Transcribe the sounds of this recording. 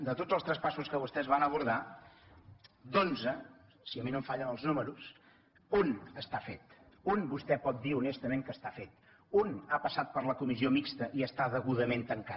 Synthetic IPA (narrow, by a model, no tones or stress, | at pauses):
d̪ət̪odzəlˠst̪ɾəspasuskəβust̪ɛzβanəβuɾða | d̪onzə | siəminomfaʎənəlˠznuməɾus | unəst̪afet̪ | unbust̪ɛpɔt̪̚d̪iunɛst̪əmeŋkəst̪afet̪̚ | unapəsat̪̚pəɾləkumiziomikst̪əʔiəst̪aðəɣuðəment̪əŋka